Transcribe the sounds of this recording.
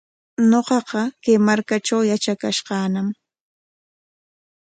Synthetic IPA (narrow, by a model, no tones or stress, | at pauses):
ɲoqɑqɑkajmaɾkaʈ͡ʂawjat͡ʃakaʃqɑːnam